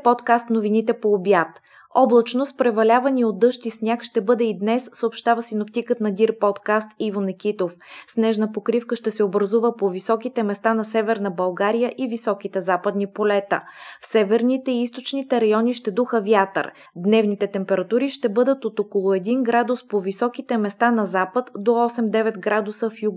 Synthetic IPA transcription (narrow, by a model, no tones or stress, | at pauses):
pɔt̪kast̪novinit̪ɛpoːbjat̪ | ɔblˠɐt͡ʃnospɾɛvɐlʲavɐniod̪ːɤʃt̪isnʲjakʃt̪ɛbɤd̪ɛid̪nɛsːəopʃt̪avəsinopt̪ikət̪nɐd̪iɾpɔt̪kast̪ivonɛk̟ʲit̪ofsnɛʒnəpokɾifkəʃt̪ɛsɛobɾɐzuvəpovisɔkit̪ɛmɛst̪anɐsɛvɛɾnəbɐlˠɡaɾijəʔivisɔk̟it̪ɛzapəd̪nipolɛt̪ə̰fsɛvɛɾnit̪ɛiist̪ot͡ʃnit̪ɛɾɐjɔniʃt̪ɛd̪uxəvjat̪ə̰ɾ | d̪nɛvnit̪ɛt̪ɛmpɛɾɐt̪uɾiʃt̪ɛbɤd̪ət̪ot̪okolˠoɛd̪inɡɾad̪ʊspovisɔk̟it̪ɛmɛst̪anɐzapət̪d̪oɔsɛmd̪ɛvɛt̪ɡɾad̪usəfjuɡ